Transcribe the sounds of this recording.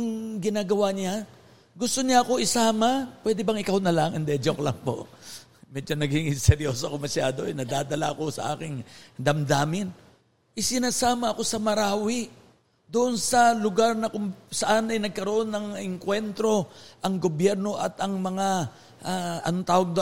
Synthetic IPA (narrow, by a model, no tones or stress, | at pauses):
ɐŋɡɪnaːɡɐwaɲa | ɡʊst̪o̞ɲaʔɐko̞ʔɪsaːmapwɛd̪ɛbɐŋɪkawnɐlaŋʔɪnd̪ɛd͡ʒoklɐŋpo̞̰ʔ | mɛd͡ʒonɐɡɪŋɪsɛɾjoːsokomɐsjaːd̪o̞ɛnɐd̪aːd̪ɐla̰ɐko̞sɐ̰ʔa̰ːkɪŋd̪ɐmd̪aːmɪn | ʔɪsɪnaːsaːmɐɐko̞sɐmɐɾaːwɪ | d̪ʊʔonsɐlʊɡaɾnɐkʊŋsɐʔanɐjnɐɡ̚kɐɾoʔo̞nːɐŋɪŋkwɛnt̪ɾo̞ʔɐŋɡobjɛɾno̞ʔɐt̪ʔɐŋmɐŋa | ʔaɐ̰not̪aːwɐɡ̚d̪